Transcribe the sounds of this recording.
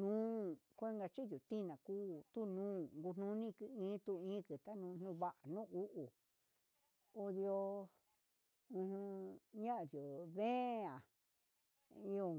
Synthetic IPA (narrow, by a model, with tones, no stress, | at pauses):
nũː˦kʷe˦ŋɡa˧t͡ʃi˦ðju˨t̪ĩ˦˧nã˨kuː˦˨t̪u˦nũː˦ŋɡu˧n̥nũ˧˦nĩ˦˧kɨ˧ĩː˦t̪u˧ĩ˦kɨ˨t̪a˦nũː˧nũ˧βa˦ʔa˨nũ˦u˦ʔu˨ | o˧ðjo˧ | ũ˧hũ˧ɲã˦˧ðjo˨βẽ˦˧ã˨ | i˧o˧